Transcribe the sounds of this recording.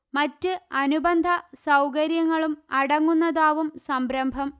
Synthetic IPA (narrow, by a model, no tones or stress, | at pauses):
mɐtːɨɐnubɐnd̪ʱɐsɐwkɐɾjɐŋːɐɭumɐɽɐŋːunːɐðaːʋumsɐmbɾɐmbʱɐm